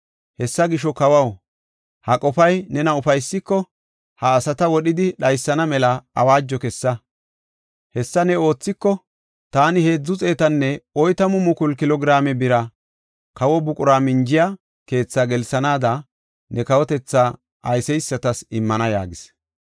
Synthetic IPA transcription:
hɛsːɐɡɪʃɔkɐwɐw | hɐkʼɔfɐjnɛnɐʊfɐjsːɪkːɔ | hɐːsɐt̪ɐwɔɗɪd̪ɪɗɐjsːɐnɐmɛlɐɐ̰waːd͡ʒːɔkɛsːɐ | hɛsːɐnɛo̞ːt͡sːɪkːɔ | t̪aːnɪhe̞ːd͡zːʊt͡sʼe̞ːt̪ɐnːɛɔjt̪ɐmʊmʊkʊlkɪlɔɡɾaːmɛbɪɾɐ | kɐwɔbʊkʼʊɾaːmɪnd͡ʒɪja | ke̞ːt͡sːaːɡɛlsɐnaːd̪ɐ | nɛkɐwɔt̪ɛt͡sːa | ʔɐjsɛjsːɐt̪ɐsɪmːɐnɐja̰ːɡɪs

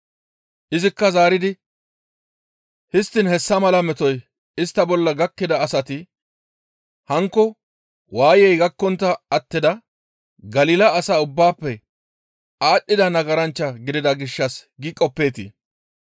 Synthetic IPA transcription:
ʔɪzɪkːɐzaːɾɪd̪ɪ | hɪst̪ːɪnhɛsːɐmɐlɐmɛt̪ɔj | ɪst̪ːɐbɔlːɐɡɐkːɪd̪ɐːsɐt̪ɪ | hɐŋkːɔ | waːjɛjɡɐkːɔnt̪ːɐɐt̪ːɪd̪ɐ | ɡɐliːlɐːsaːʊbːaːpːɛ | aːɗːɪd̪ɐnɐɡɐɾɐnt͡ʃːɐɡɪd̪ɪd̪ɐɡɪʃːɐsɡɪkʼɔpːe̞ːt̪ɪ̰

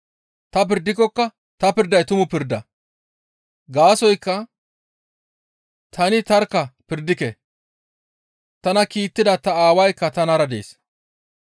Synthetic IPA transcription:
t̪ɐp̬ɪɾd̪ːɪkːɔkːɐ | t̪ɐpɪɾd̪ɐjt̪ʊmʊpɪɾd̪ɐ̰ | ɡaːsɔjkːɐ | t̪ʰɐnɪt̪ɐɾkːɐpɪɾd̪ɪkɛ | t̪ɐnɐkiːt̪ːɪd̪ɐt̪ɐaːwɐjkːɐt̪ɐnɐɾɐd̪e̞̰ːs

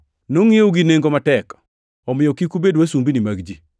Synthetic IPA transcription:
noŋɪoɡineŋɡomatɛk | ɔmɪjɔkikubedwasumbinimaɡd͡ʒi

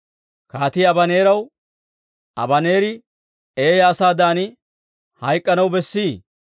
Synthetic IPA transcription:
kaːt̪iːɐbɐne̞ːɾɐw | ʔɐ̰bɐneːɾɪ | e̞ːjɐːsaːd̪aːnɪ | hɐjkʼːɐnɐwbɛsːiː

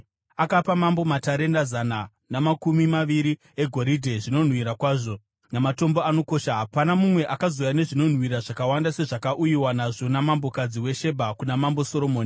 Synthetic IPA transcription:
akapamambo̞mataɾe̞ndazana | namakumimaʋiɾi | e̞ɡʱo̞ɾidʱe̞ʐino̞n̤wiɾakwaːʐo̞ | namato̞mboano̞ko̞ːʃaɦapanamumwe̞ʔakazo̞jane̞ʐino̞n̤wiɾaʐakawandase̞ʐakaʔujiwanaʐo̞namambo̞kad͡ziwe̞ʃe̞bʱakunamambo̞so̞ɾo̞moːni

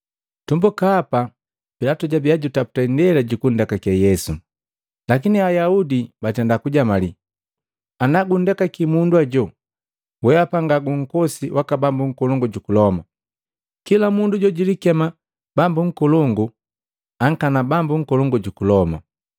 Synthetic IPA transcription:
tumbukaːpa | pilatuɟabiaɟutapu̥tandɛlaɟukun̩dɛkakɛjɛsu | lakiniajaudibatɛndakuɟamali | anaɡun̩dakakimundwaɟɔ | wɛapaŋɡaɡuŋ̩kɔsiwʔakabambuŋ̩kɔlɔŋɡuɟukulɔma | kilamunduɟɔɟilikɛma | bambuŋ̩kɔlɔŋɡu | aŋ̩kanabambuŋ̩kɔlɔŋɡuɟukulɔma̰

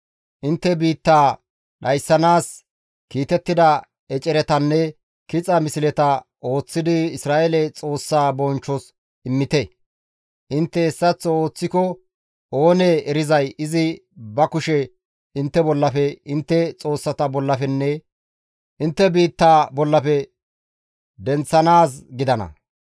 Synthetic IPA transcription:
ʔɪnt̪ːɛbiːt̪ːaː | ɗɐjsːɐnaːs | kiːt̪ɛt̪ːɪd̪ɐ | ɛt͡ʃʼɛɾɛt̪ɐnːɛ | kɪt͡sʼɐmɪsɪlɛt̪ɐʔo̞ːt͡sːɪd̪ɪɪsɾaːʔelɛt͡sʼo̞ːsːaːbɔnt͡ʃːɔs | ɪmːɪt̪ɛ | ʔɪnt̪ːɛːsːɐt͡sːɔoːt͡sːɪkɔ | oːneɛɾɪzɐjɪzɪbɐkʊʃɛ | ɪnt̪ːɛbɔlːɐfɛɪnt̪ːɛt͡sʼo̞ːsːɐt̪ɐbɔlːɐfɛnːɛ | ʔɪnt̪ːɛbiːt̪ːaːbɔlːɐpɛ | d̪ɛnt͡sːɐnaːs̬ɡɪd̪ɐnɐ̰

